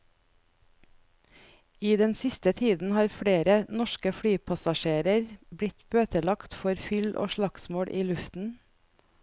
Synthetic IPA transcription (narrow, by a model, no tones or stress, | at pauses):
iːd̪ɛnsɪst̪ət̪ʰiːd̪n̩hɑːɾfɽeːɾənɔʃkəfɽyːpʰɑsɑʃeːɾəɾbɽɪt̪b̥øːt̪əlɑkt̪fɔɾfʏlʔo̰ːʃɭɑksmoːɽʔiːlʉft̪n̩